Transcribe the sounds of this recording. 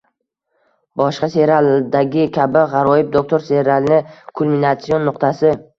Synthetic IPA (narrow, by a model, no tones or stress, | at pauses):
bɒʃqɑse̞ɾald̪aɡʲɪkʲʰabɪʁɑɾɒjɪb̚d̪ok̚t̪ʰoɾseɾalˠnɪkʰulˠminat̪sionːʊqt̪ʰasɪ